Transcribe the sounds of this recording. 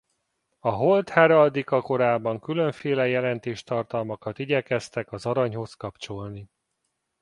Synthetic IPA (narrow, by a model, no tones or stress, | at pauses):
ɒɦo̞lt̪haɾɒd̪ikɒko̞ɾaːbɒŋkylø̞ɱfeːlɛjɛlɛnt̪eːʃt̪ɒrt̪ɒlmɒkɒt̪iɟɛkɛst̪ɛkɒzɒɾɒɲho̞skɒpt͡ʃo̞lni